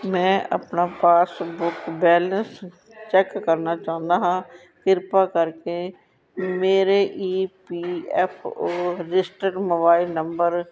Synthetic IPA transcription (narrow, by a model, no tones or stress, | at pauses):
mɛ̃ːʔə̰pnaːpaːsbʊkbɛːləs | t͡ʃɛːkːəɾnaːt͡ʃaːʊ̃nd̪aːɦãː | kɪɾpaːkəɾkeː | meːɾeːʔiːpiːɛpʰoːɾɪsʈəɖmoːbaːɪlnəmbəɾ